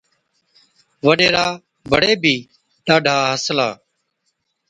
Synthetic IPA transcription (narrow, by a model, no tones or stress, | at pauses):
ʋəɗeːɾaː | bʱəɽeːbʱiː | ɗaːɖʱaːɦəslaː